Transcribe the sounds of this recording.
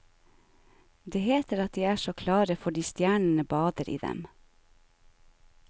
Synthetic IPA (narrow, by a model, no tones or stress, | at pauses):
d̪eːheːt̪əɾɑt̪̚d̪iːæːʃoːkʰlɑːɾəfɔɖiːst̪jæːɳɳ̩əbɑːd̪əɾʔḭːd̪ɛ̰m